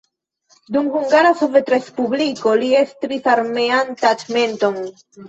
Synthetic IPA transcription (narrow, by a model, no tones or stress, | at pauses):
d̪uŋɡuŋɡaɾasovet̪ɾespuβlikoliest̪ɾiθaɾmeant̪at͡ʃmẽnt̪oŋ